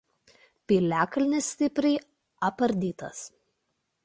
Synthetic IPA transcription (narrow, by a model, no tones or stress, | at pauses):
pʲiːlʲæːkɐlʲnʲɪsʲsʲt̪ʲɪpʲɾʲɛɪ | ɐpɐɾʲd̪ʲiːt̪ɐs